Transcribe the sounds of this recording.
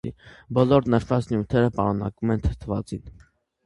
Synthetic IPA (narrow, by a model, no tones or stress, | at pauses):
ḭbɔlɔɾnəɾfɑt͡snjut̪ʰɛɾəpɑɾunɑ̰kumɛnt̪ʰə̥t̪ʰvɑt͡sin